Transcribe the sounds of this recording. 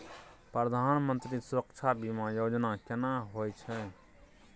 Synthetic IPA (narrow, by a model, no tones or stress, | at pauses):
pɾəd̪ʱaːnmənt̪ɾisʊɾəkt͡ʃʰabʱimãjoːd͡ʒnakɪnaɦoːjt͡ʃʰɛ